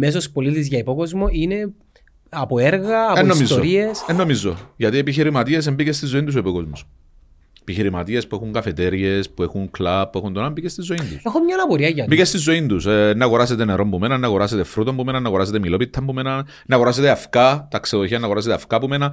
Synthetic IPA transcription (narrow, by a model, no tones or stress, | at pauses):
mes̬ospolit̪izʝɐipokozmoine | ɐpoeɾɣɐːpenːosmizːooɾiesenːomizːo̞ʝɐt̪iepiçiɾimɐt̪ies̬embicest̪izːoint̪us̬oipokozmos | epiçiɾimɐt̪iespuexuŋkɐfet̪eɾe̞spuexuŋklɐpːuexund̪onɐmbicest̪izːo̞ind̪usexomɲɐnɐpoɾiɐʝɐmbikest̪izːo̞ind̪usnːɐaɣoɾaset̪eneɾo̞mbume̞nɐnːɐɣoɾaset̪efɾut̪ombumenɐnːɐɣoɾas̬et̪emilo̞pit̪ʰːɐmbumenɐ | nːɐɣo̞ɾas̬et̪eafkɐt̪ɐkseðoçiɐnːɐɣoɾaset̪eafkɐpume̞nɐ